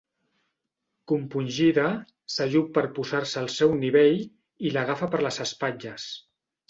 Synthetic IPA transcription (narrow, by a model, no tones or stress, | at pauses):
kumpunʲʒiðə | səʒut̚pːəɾpuzarsəːlˠsɛwniβ̞eʎ | iləɣ̞afəpəɾləzəspad͡ʒəs